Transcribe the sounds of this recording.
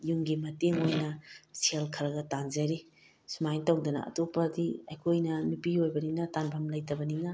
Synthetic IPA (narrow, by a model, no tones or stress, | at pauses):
juŋɡimɐteŋojnɐsʰelkʰɐɾɐɡɐtanzɐɾi | sumajntɐwdɐnɐ̰ɐ̰topɐdiɐjkʰojnɐnupiojbɐniŋnɐtanbʰʱɐmlɐjtɐbɐniŋnɐ